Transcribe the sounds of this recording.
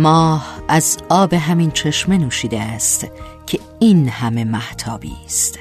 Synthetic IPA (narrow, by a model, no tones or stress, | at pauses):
mɒːhʔæzɒːbeɦæmint͡ʃʰe̞ʃme̞nuːʃiːd̪eæst̪ | cʰe̞ | iːnhæme̞mæht̪ʰɒːbḭːst̪